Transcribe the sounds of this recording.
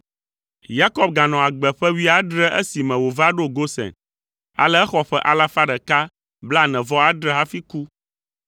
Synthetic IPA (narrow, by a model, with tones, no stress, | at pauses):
ja˦kɔ˦b̚ɡa˨nɔ̃˨a˨ɡ͡bɛ˨ɸɛ˦wi˦a˦ɖɾɛ˦ʔe˦si˨mɛ̃˨wo˨va˦ɖo˦ɡo˦sɛ̰˨n | a̰˨lɛ˦ɛ˦xɔ˨ɸɛ˦ʔa˨la˦fa˦ɖɛ˨ka˦ | bla˦nɛ̃˨vɔ˦a˦ɖɾɛ˦ɦa˦fi˦ku˦